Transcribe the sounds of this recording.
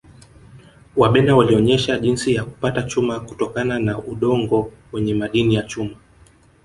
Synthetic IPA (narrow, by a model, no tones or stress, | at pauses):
waɓɛnawaliɔɲɛʃaʄinsijaku̥patat͡ʃumaku̥tɔkananaʔuɗɔŋɡɔwɛɲɛmaɗinijat͡ʃuma